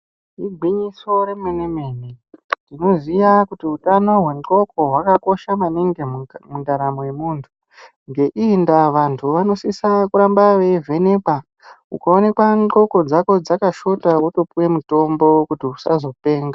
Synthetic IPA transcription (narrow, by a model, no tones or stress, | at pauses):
iɡʱwiɲiso̞ɾe̞meneme̞ːnendino̞zijakutiutano̞ɦwe̞ŋŋ͡ǃo̞ko̞ɦwakako̞ʃamaneŋɡemundaɾamoje̞muːntʰu̥ | ŋɡe̞ʔindaʋantʰuʋano̞sisakuɾambaʋe̞vʱe̞ne̞pa | ukao̞ne̞kwaŋ͡ǃo̞ko̞d͡zako̞d͡zakaʃo̞tawoto̞puwe̞muto̞mbo̞kutiusa̰zo̞pe̞ːŋɡa